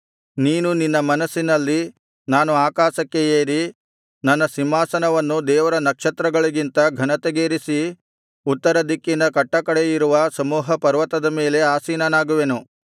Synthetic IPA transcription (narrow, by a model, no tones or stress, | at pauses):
niːnuninːɐmɐnɐsːinɐlːi | naːnuaːkaːʃɐkːe̞eːɾi | nɐnːɐsimːaːsɐnɐʋɐnːud̪ɛːʋɐɾɐnɐkʂɐt̪ɾɐɡɐɭiɡint̪ɐɡʱɐnɐt̪ɐɡeːɾisi | ut̪ːɐɾɐd̪ikːinɐkɐʈːɐkɐɽejiɾuʋɐsɐmuːɦɐpɐɾʋɐt̪ɐd̪ɐmeːle̞aːsiːnɐnaːɡuʋe̞nu